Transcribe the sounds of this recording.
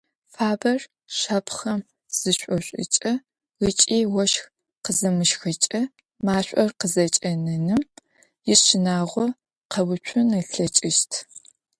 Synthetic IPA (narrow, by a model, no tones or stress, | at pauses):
faːbɐr | ʃaːpʰχɐm | z̥ɨɕʷʼɔɕʷʼɪ̰t͡ʃʼɐ | ət͡ʃʼiːwɔʃx | qəzɐmɨʃxɨt͡ʃʼɐ | maːɕʷʼɔrqəzɐt͡ʃʼɐnɐnɨm | jɪɕɪnaːʁʷɔ | qɐwʊt͡ʃʷʰʊnɨɬɐt͡ʃʼɪʃtʰ